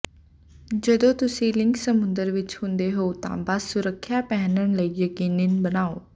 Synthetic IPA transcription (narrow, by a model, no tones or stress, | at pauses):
d͡ʒəd̪õːt̪ʊsĩːlɪ̃ŋksəmʊ̃nd̪əɾʋɪt͡ʃhʊ̃nd̪eːɦoːt̪ã̰ːbasʊɾəkʰːjaːpɛːnənləiəkinɪnbənaːoː